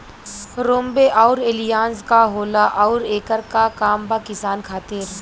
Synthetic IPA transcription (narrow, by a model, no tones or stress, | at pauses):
ɾoːmbeʔɔːɾelijaːnzkaɦoːlaʔɔːɾeːkəɾkakaːmbakɪsaːnkʰaːt̪ɪɾ